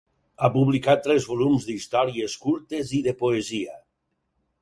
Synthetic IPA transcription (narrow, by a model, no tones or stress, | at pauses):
apuβlikat̪ːɾɛzβolumzd̪ist̪ɔɾieskuɾt̪eziðepoezia